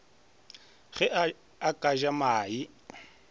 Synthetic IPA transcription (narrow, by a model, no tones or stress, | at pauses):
ɣɛ | akʼaʒamaːi